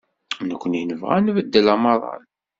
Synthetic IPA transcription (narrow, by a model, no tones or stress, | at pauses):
nəkʷːənjənəvʁæ̰nvəd̪ːəlɑməɾˤɑ̰n